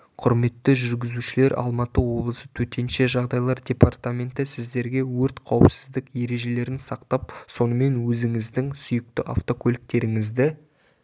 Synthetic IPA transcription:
qʰʊɾme̞t̪ːɪʒʏɾɡʲɪzuʃɪle̞ɾʔɑ̰lˠmɑt̪əwo̞blˠəsət̪ʰɵt̪e̞nʃe̞ʒɑʁd̪ɑjlˠɑɾdʲe̞part̪amʲe̞nt̪ɪsɪzd̪e̞ɾɡʲe̞wɵɾt̪qʰɑwəpsɪzd̪ɪkje̞ɾe̞ʒe̞le̞ɾɪnsɑqt̪ɑp̚so̞nəme̞nwɵzɪŋɪzd̪ɪŋsʏjɪk̚t̪ɪʔa̰ft̪o̞kʰolʲɪk̚t̪e̞ɾɪŋɪzd̪ɪ

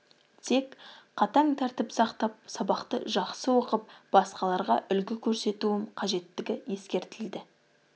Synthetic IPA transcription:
t̪ʰe̞kqʰɑt̪ɑŋt̪ʰæɾt̪ɪpsɑqt̪ɑp̚sɑbɑqt̪ə̰ʒɑqsəwo̞qəp̚b̥ɑsqɑlˠɑɾʁɑʔʏlɡʲɪkʲʰɵɾse̞t̪uɪmqʰɑʒe̞t̪ːɪɡʲɪje̞skʲe̞ɾt̪ɪld̪ɪ

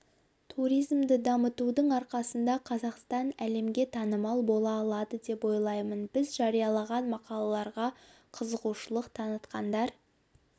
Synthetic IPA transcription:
t̪ʰuɾijzmd̪ɪd̪ɑmət̪ud̪əɴɑɾqɑsənd̪ɑqʰɑzɑqst̪ɑnæle̞mɡʲe̞t̪ʰɑnəmɑlˠbo̞lˠɑːlˠɑd̪əd̪e̞pwo̞jlˠɑjmənbɪzʒɑɾijɑlˠɑʁɑnmɑqɑlˠɑlˠɑɾʁɑ | qʰəzəʁuʃəlˠəqt̪ʰɑnət̪qɑnd̪ɑɾ

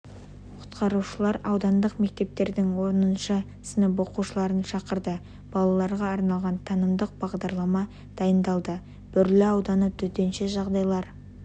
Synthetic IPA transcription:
qʰʊ̥t̪qɑɾuʃəlˠɑɾɑwd̪ɑnd̪əqme̞k̚t̪e̞p̚t̪e̞ɾd̪ɪŋwo̞ɾənənʃɑ | sənəpo̞quʃəlˠɑɾənʃɑqəɾd̪ə | b̥ɑlˠɑlˠɑɾʁɑːɾnɑlˠʁɑnt̪ʰɑnəmd̪əq̚b̥ɑʁd̪ɑɾlˠɑmɑ | d̪̥ɑjənd̪ɑlˠd̪ə | b̥ʏɾlɪɑwd̪ɑnət̪ʰʏt̪enʃeʒɑʁd̪ɑjlˠɑɾ

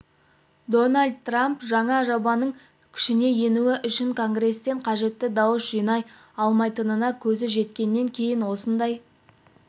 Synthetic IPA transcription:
d̪o̞nalʲd̪̚t̪ːrampʒɑɴɑʒobɑnəɴ | kʲʰɪ̥ʃɪne̞je̞nuɪʔʏʃɪŋkʰo̞ŋɡre̞st̪e̞ɴqʰɑʒe̞t̪ːɪd̪ɑwəsʒijnɑj | ɑlˠmɑjt̪ənənɑkʲʰɵzɪʒe̞t̪kʲe̞nːe̞ŋkʲʰe̞jɪnwo̞sənd̪ɑj

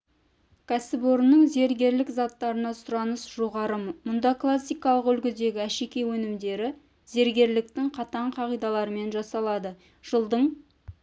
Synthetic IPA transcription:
kʰæsɪboɾnəɴze̞ɾɡʲe̞ɾlɪkzɑt̪ːɑɾənɑsʊɾɑnəsʒ̥oʁɑɾəmʊnd̪ɑklˠasːijkɑlˠəqʏlɡʲɪd̪e̞ɡʲɪæʃe̞kʲe̞wɵnɪmd̪e̞ɾɪ | ze̞ɾɡʲe̞ɾlɪk̚t̪ɪŋqʰɑt̪ɑɴqʰɑʁijd̪ɑlˠɑɾəme̞nʒɑsɑlˠɑd̪ə | ʒ̥əlˠd̪əɴ

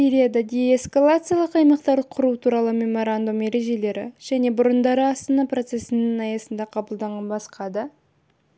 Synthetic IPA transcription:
iɾijad̪ɑd̪eeskalˠat̪sɨjalˠəqɑjmɑqt̪ɑɾd̪əqʰʊɾut̪ʰuɾɑlˠəme̞mo̞ɾand̪umːe̞ɾe̞ʒe̞le̞ɾɪ̰ʒ̥æne̞bʊɾənd̪ɑɾəɑst̪ɑnɑpro̞t̪se̞sɪnɪŋɑjɑsənd̪ɑqʰɑbəlˠd̪ɑɴɑbɑsqʰɑd̪ə

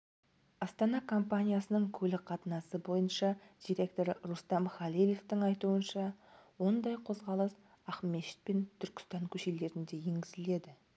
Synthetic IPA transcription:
ɑst̪ɑnɑkʰo̞mpanʲijasənəɴkʲʰɵlɪqʰɑt̪ənɑsəbo̞jənʃɑd̪̥ijɾe̞k̚t̪o̞ɾrust̪ɑmχɑlileft̪ɪŋɑjt̪uənʃɑwo̞nd̪ɑjqʰo̞zʁɑlˠəs | ɑχmeʃɪ̥t̪̚pent̪ʰʏɾkʲɪ̥st̪ɑŋkʲʰɵʃe̞le̞ɾɪnd̪e̞je̞ŋɡʲɪzɪle̞d̪ɪ

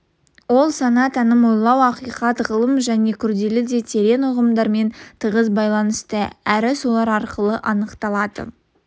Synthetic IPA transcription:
wo̞lˠsɑnɑt̪ænɪmo̞jlˠːɑwɑqijqɑt̪ʁəlˠəmʒæne̞kʲʰʏɾd̪e̞lɪd̪e̞t̪ʰe̞ɾe̞nʊʁəmd̪ɑɾme̞nt̪ʰəʁəzbɑjlˠɑnəst̪əæɾɪso̞lˠɑɾɑɾqəlˠəʔɑnəqt̪ɑlˠɑd̪ə̰

